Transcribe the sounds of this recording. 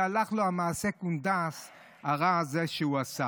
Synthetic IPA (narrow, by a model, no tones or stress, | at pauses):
alaχloamaːsekund̪as | aʁazeʃeuasa